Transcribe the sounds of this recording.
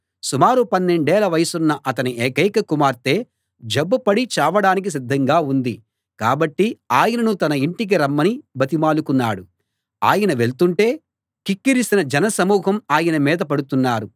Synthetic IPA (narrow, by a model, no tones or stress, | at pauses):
sumaːɾupɐnːe̞ɳɖɛːlɐʋɐjɐsunːɐʔɐt̪ɐniʔeːkɐjkɐkumaːɾt̪e̞ː | d͡ʒɐbːɐpɐɽit͡ʃaːʋɐɽaːnik̬is̬id̪ʱːɐŋɡaːund̪i | kaːbɐʈːiaːjɐnɐnut̪ɐnɐiɳʈik̬iɾɐmːɐnibʱɐt̪imaːlukunːaːɽu | a̰ːjɐnɐʋe̞ɭt̪uɳʈe̞ː | kikːiɾisinɐd͡ʒɐnɐsɐmuːɦɐmaːjɐnɐmiːd̪ɐpɐɽut̪unːaːɾu